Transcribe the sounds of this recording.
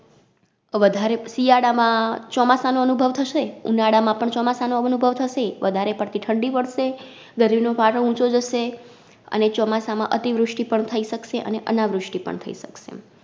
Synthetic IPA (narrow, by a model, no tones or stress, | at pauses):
ʋəd̪ʱaɾesijaɽamãt͡ʃɔmasanoənubʱəʋt̪ʰəʃeṵnaɽamãpəɳt͡ʃɔmasanoəənubʱəʋt̪ʰəʃeʋəd̪ʱaɾepəɽt̪ʰiʈʰəɳɖiʋəɽʃe | ɡəɾibnopaʈə̃ũt͡ʃod͡ʒəʃe | ə̰net͡ʃɔmasamãʔət̪iʋɾʊʂʈipəɳt̪ʰəiʃəkʃeʔə̰neʔənaʋɾʊʂʈipə̰ɳt̪ʰəiʃəkʃḛ